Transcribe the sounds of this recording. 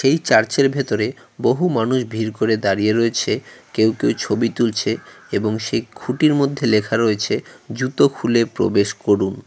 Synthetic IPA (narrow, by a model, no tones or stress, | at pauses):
ʃejt͡ɕaɾt͡ɕeɾbʱet̪oɾe | boɦumanuʃbʱiɾkoɾed̪aɾijeɾoet͡ɕʰekewkewt͡ɕʰobit̪ult͡ɕʰeeboŋʃejkʰuʈiɾmod̪ʱːelekʰaɾoet͡ɕʰed͡ʑut̪okʰulepɾo̰beʃkoɾun